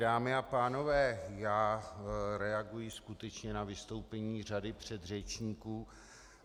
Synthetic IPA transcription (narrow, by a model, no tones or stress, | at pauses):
daːmɪapaːno̞vɛːjaː | ɾɛaɡujɪskut̪ɛt͡ʃɲɛnavɪst̪o̞wpɛɲiːr̝adɪpr̝̥ɛd̪rɛt͡ʃɲiːkuː